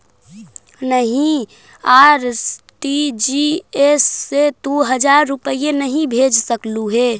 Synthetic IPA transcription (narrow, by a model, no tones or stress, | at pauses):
nəɦĩ | aːɾsʈid͡ʒiesːed̪oɦəd͡ʒaɾːupəijenəɦĩbʱed͡ʒsəkluɦe